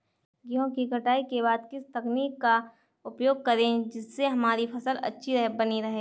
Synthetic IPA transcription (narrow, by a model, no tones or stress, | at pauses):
ɡiɦõkikɐʈaːikeβaːd̪kɪst̪ɐkniːkːa | ʊpjoːɡ̚kɐɾẽd͡ʒɪsːeɦɐmaːɾipʰɐsəlɐ̰tːʃʰiɾɐɦbɐniɾɐɦeː